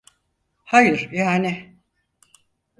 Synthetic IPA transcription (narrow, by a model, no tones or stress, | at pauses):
hajɯɾ̥jaːnɪ